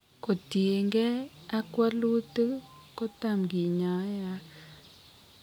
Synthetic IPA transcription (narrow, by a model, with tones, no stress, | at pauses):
ko˨tie˨ŋɡe˦a˦kwa˦lu˦tu˦ko˦ta˦˨mɡi˨ɲa˨˦ja˦